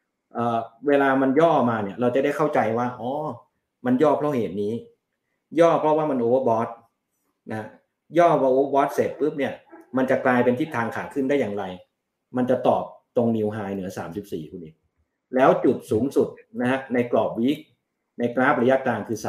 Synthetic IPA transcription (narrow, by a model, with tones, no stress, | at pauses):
ʔɤː˨˩weː˧laː˧ma˧njɔː˥˩maː˧ni˥˩ɐɾa˧wt͡ɕa˨˩da˥˩jkʰa˥˩wt͡ɕa˧jwaː˥˩ʔɔː˨˧˩ | ma˧njɔː˥˩pʰɾɔ˦˥˩ɦeː˨˩t̪̚niː˦˥ | jɔː˥˩pʰɾɔ˦˥waː˥˩ma˧nʔoː˧wəː˧˩bɔː˦˥t̪̚ | na˧˦ha˦˥ | jɔː˥˩waː˧˩ʔoː˧˦˥bɔː˦˥t̪̚se˨˩p̪̚pɯ˦˥p̚ni˥˩ɐma˧nt͡ɕa˨˩klaː˧jpe˧nt̪ʰiː˥˩t̪ʰːaː˧ŋkʰaː˨˩kʰɯ˥˩nda˥˩jaː˨˩ŋɾa˧j | ma˧nt͡ɕa˨˩t̪ɔː˨˩p̚t̪o˧ŋni˧wɦaː˧jnɯ˩˦ɐsaː˩˦msi˨˩p̚sḭː˨˩kʰuː˧ni˦˥˩t̚ | lɛː˦˥wt͡ɕu˨˩t̪̚suː˩˦ŋsu˨˩t̪̚na˦˥hʰa˦˥na˧jklɔː˨˩p̚wiː˦˥k̚ | na˧jkɾaː˦˥˩p̚ɾa˧ja˦˥kaː˧nkʰɯː˧sa˩